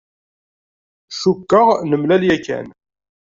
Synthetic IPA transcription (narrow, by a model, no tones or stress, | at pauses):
ʃukːəʁnəmlæljækːæ̰n